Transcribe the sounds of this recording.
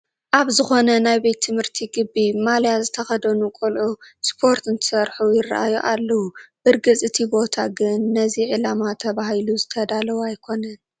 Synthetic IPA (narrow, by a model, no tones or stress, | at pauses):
ʔaβzɨxo̞nɐnajbet̪ʰːɨmhɨɾt̪ʰiɡɨbːimaljazɨt̪ʰɐxɐd̪ɐnukʼolʔuspʰo̞ɾt̪ɨnt̪ʰɨ̥sɐɾħujɪrːa̰ʔa̰joʔalːɐwubɨɾɡɨt͡sʼɨt̪ʰibo̞t̪ʰaɡɨnːɐziʕɨlamat̪ʰɐβahiluzɨt̪ʰɐd̪alɐwajkʰo̞nɐn